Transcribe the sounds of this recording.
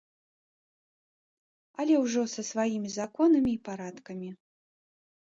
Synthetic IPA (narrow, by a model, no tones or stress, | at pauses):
ɐlʲɛwʐɔsɐsvajimʲizakɔnɐmʲiːpaɾat̪kɐmʲi